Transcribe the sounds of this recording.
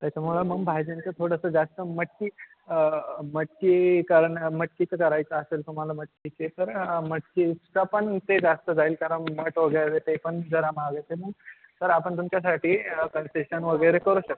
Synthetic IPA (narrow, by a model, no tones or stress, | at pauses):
t̪jat͡ɕʰaməlaməɡbʱajd͡ʑent͡sət̪ʰoɽəsəd͡zast̪əməʈːi | məʈːikaɾəɳməʈkit͡səkəɾajt͡səːselt̪um̤alaməʈ̚kit͡set̪əɾməʈkiskapəɳt̪ed͡zast̪əd͡zʱailkaɾəɳməʈʋəɡəɭɾet̪epəɳd͡zəɾamaɡet̪eməɡ | səɾapəɳt̪umt͡ɕjas̬aʈʰiːkənseɕənʋəɡəɭɾekəɾuːɕək̚t̪